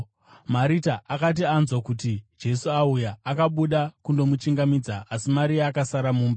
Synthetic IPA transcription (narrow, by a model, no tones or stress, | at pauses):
maɾitaʔakat̬ianzwakutid͡ʒe̞suaujaːkaɓuɗakundo̞mut͡ʃiŋɡamid͡zaːsimaɾiaːkasaɾamuːmba